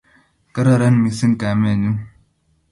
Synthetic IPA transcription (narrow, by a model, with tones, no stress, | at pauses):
kɐ˦ɾɐ˦ɾɐ˦nmi˨si˦nka˨me˦˨ni˦n